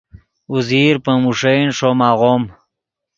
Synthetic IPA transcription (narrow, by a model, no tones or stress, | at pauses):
uziɾpəmuʂejnʂomaʁom